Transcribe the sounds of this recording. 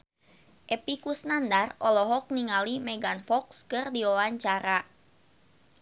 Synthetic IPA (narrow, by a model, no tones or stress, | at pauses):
ʔɛpikusnandarɔlɔɦɔk̚niŋalimɛɡanfɔkskɨrdiɔwaɲt͡ʃaɾa